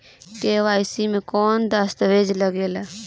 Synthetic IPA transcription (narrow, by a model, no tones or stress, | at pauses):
keːʋaːɪsimẽkɔːnd̪ast̪əʋeːd͡ʒləɡeːlaː